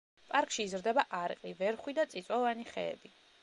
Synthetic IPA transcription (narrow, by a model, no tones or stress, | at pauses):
pʼaɾkʰʼʃiːzɾd̪ɛbaʔaɾqʼivɛɾχwid̪at̪sʼit̪sʼavaniχɛ̰ːbi